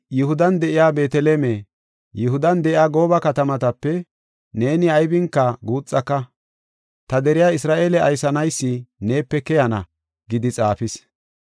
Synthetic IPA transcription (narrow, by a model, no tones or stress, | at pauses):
jʊhʊd̪ɐnd̪ɛʔɪjaːbe̞ːt̪ɛleːme | jʊɦʊd̪ɐnd̪ɛʔɪjaːɡo̞ːbɐkɐt̪ɐmɐt̪ɐpːɛ | ne̞ːnɪɐjbɪŋkːɐɡuːt͡sʼːɐkːɐ | t̪ɐd̪ɛɾɪjaːɪsɾaːʔe̞ːlɛɐjsɐnɐjsːɪne̞ːpːɛkɛjɐnɐ̰ | ɡɪd̪ɪt͡sʼaːfɪs